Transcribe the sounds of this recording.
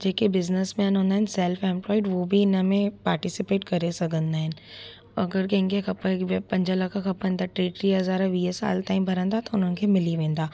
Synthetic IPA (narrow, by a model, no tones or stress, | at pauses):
d͡ʒeːkebɪznəsmɛ̃ːnɦõːnd̪aɦɪnɪsɛːlfẽːmplɔːɪɖʋobʱiɪnəmẽpaːɾʈɪsɪpeːʈkɐɾesɐɡʱə̃nd̪aːɦɪnɪ̆ | ɐɡəɾkɐ̃ɦɪ̃ŋkekɐpəpɐ̃ɲd͡ʒəlɐkʰakɐpɦẽːnd̪aʈɾeːʈɾiɦɐzaːɾaʋiːɦesa̰ːlt̪aːĩbʱɐɾə̃nd̪at̪ɐʊn̤ənɪ̆kʰemɪliʋẽːnd̪aː